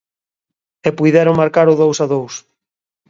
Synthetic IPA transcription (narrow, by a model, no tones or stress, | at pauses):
epujðɛɾoŋmaɾkaɾoðowsaðows